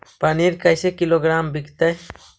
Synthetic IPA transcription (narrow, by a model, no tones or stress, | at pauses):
paniɾkajsekiloɡɾambikt̪aj